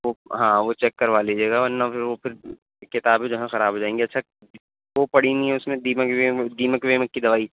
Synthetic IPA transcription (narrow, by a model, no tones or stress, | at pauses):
ʋoɦãːʋot͡ʃɛkːɐɾʋaːlid͡ʒeːɡaɔɾnapɪɾʋopʰɪɾ | kɪt̪aːbẽd͡ʒoɦɛ̃xɐɾaːbʱɦoːd͡ʒaːẽːŋɡeɐtːʃʰa | ʋopɐɽinĩɦɛ̃ʊsmẽd̪iːməked̪iːməkʋeːməkːid̪ɐʋaːi